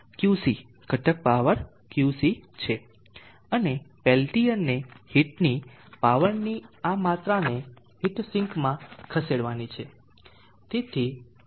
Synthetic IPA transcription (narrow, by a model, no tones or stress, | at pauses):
kjusi | ɡ̥ʱəʈək̚paʋəɾ | kjusit͡ʃʰe | ənepɛlʈijənːehiʈni | paʋəɾniamat̪ɾane | ɦiʈsɪ̃ŋkmãkʰəseɽʋanit͡ʃʰe | t̪et̪ʰi